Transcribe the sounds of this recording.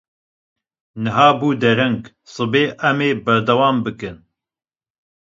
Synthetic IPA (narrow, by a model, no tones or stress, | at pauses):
nɨɦaːbuːd̪ɛɾɛŋɡ | sɨbeːʔɛmeːbɛɾd̪ɐwɑːmbɨkɨn